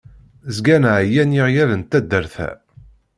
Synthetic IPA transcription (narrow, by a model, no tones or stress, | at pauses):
zɡænʕjænjiʁjæðənt̪ːæd̪ːəɾθæ̰